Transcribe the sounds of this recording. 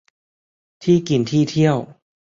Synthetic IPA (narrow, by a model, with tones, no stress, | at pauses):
t̪ʰiː˥˩ki˨˩˦nt̪ʰiː˥˩t̪ʰi˥˩əw